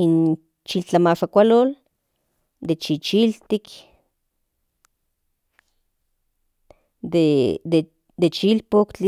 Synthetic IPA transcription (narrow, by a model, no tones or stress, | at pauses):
in | t͡ʃilt͡ɬamaʃakʷalol | d̪et͡ʃit͡ʃilt̪ik | d̪ed̪e | d̪et͡ʃilpokt͡ɬi